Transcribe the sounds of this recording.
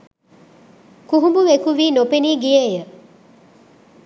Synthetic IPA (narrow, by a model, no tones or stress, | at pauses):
kuɦumbuʋekuʋiːnopeniːɡijeːjə